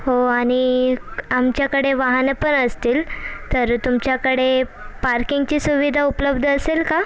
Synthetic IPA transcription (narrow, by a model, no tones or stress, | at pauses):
ɦoaɽ̃i | amt͡ɕjakəɽeʋaɦnepəɳəst̪iːlt̪əɾt̪umt͡ɕjakəɽepaɾkiŋɡt͡ɕiːsuʋid̪ʱaupləbd̪ʱəəselka